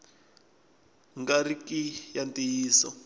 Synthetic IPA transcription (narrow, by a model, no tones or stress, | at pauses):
ŋɡaɾikijantijiːsɔ̰